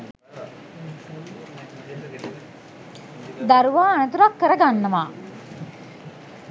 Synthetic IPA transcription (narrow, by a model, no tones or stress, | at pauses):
d̪aɾuʋaːnət̪uɾakːəɾəɡanːəʋaː